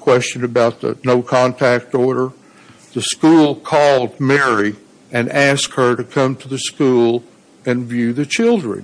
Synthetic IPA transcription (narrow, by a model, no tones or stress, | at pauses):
kʰw̥ɛst͡ʃɨ̃nɨbaʊt̪̚ðə̰noʊkʰɑ̃ntʰæk̚tɔɹɾə˞ | ðɨskulˠkʰɔlˠd̚mɛɹi | ɨ̃næskhə˞ɾɨkʰʌ̃mtʰɨðɨskulˠ | ɨ̃nvjʉðɨt͡ʃʰɪlˠdɹɨ̰̃n